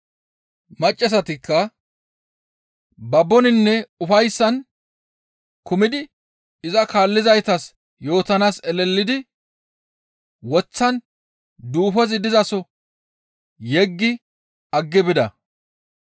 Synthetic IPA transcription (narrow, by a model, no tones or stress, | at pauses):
mɐt͡ʃʼːɛs̬ɐt̪ɪkːɐ | bɐbːɔnɪnːɛʊfɐjsːɐn | kʊmɪd̪ɪ | ɪzɐkaːlːɪzɐjt̪ɐs | jo̞ːt̪ɐnaːsɛlɛlːɪd̪ɪ | wɔt͡sːɐn | d̪uːfɔzɪd̪ɪzɐsɔ | jɛɡːɪ | ɐɡːɪbɪd̪ɐ